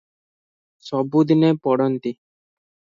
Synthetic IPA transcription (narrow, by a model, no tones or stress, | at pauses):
sɔbud̪inepɔɽɔnt̪i